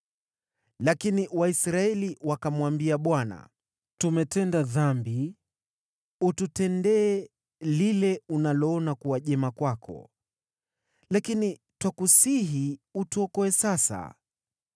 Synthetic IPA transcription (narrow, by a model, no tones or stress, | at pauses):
lakiniwaisɾaɛliwakamwambiaɓwana̰ | tumɛtɛndaðambi | ututɛndɛː | lilɛunalɔɔnakuaʄɛmakwakʰɔ̰ | lakini | twakusiɦiutuɔkɔɛsasa̰